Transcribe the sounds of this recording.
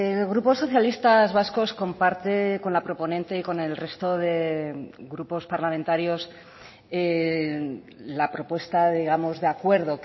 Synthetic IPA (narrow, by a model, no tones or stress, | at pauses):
eɣɾupo̞sːo̞θjalist̪azβasko̞sko̞mpaɾt̪e̞ko̞nlapɾo̞po̞nẽ̞nt̪e̞iko̞ne̞lre̞st̪o̞ðe̞ɣɾupo̞spaɾlamẽnt̪aɾjo̞s | e | lapɾo̞pwe̞st̪aðiɣ̞amo̞zðe̞akwe̞ɾð̞o̞